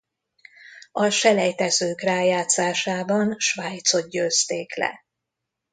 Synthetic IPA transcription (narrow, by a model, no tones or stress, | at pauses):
ɒʃɛlɛjt̪ɛzøːkraːjaːt̪saːʃaːbɒnʃʋaːjt̪so̞t̪̚ɟøːst̪eːklɛ̰